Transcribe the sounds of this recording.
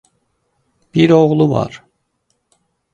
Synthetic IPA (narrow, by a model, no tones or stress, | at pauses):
b̥iɾoɣlˠuvɑ̰ɾ̥